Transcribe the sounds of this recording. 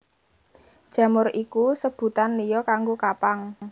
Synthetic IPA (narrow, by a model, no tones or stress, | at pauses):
d̥ʒ̥ä̤mʊrikusəb̥ṳt̪anlijɔkaŋɡokapaŋ